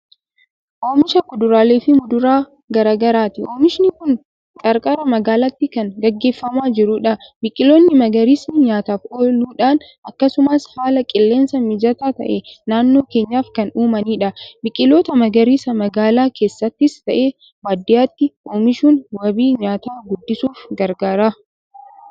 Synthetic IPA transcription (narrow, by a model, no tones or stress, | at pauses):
ʔoːmɪʃɐkʊd̪ʊɾaːle̞ːfɪmʊd̪ʊɾaː | ɡɐɾaːɡɐɾaːt̪ɪoːmɪʃɪnɪkʊn | kʼɐɾkʼɐɾɐmɐɡaːlɐt̪ːɪkɐŋɡɐɡːe̞ːfːɐmaːd͡ʒɪɾʊᶑɐbɪkʼɪlo̞ːnːɪmɐɡɐɾiːsnɪɲaːt̪aːfoːluːᶑaːn | ɐkːɐsʊmashaːlɐkʼɪlːe̞ːnsɐmɪd͡ʒɐt̪aːt̪ɐ̰ʔenaːnːo̞ːke̞ːɲːaːfkɐnuːmɐniːᶑɐbɪkʼːɪlo̞ːt̪ɐmɐɡɐɾiːsɐmɐɡaːlaːkʰe̞ːsːɐt̪ːɪst̪ɐʔe̞ː | waːd̪ːɪjaːt̪ːɪʔoːmɪʃuːnwɐbiːɲaːt̪aːɡʊd̪ːɪsuːfɡɐɾɡɐɾaː